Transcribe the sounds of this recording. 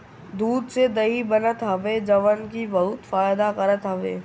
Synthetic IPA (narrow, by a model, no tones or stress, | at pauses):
d̪uːd̪sed̪ɐɦibɐnət̪ɦəʋed͡ʒɐʋənkibɐɦʊt̪faːɪd̪akɐɾət̪ɦəʋḛː